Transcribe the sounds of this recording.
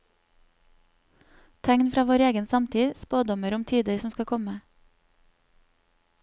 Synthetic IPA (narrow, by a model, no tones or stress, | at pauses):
t̪ʰɛŋnfɾɑːʋoːɾeːɡənsɑmt̪ʰiːspoːd̪ɔməɾʊmt̪ʰiːd̪əɾsɔmskɑkʰɔmə